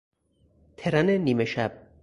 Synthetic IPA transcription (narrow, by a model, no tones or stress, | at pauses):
t̪ʰeɾæneniːmeʃæb̥̚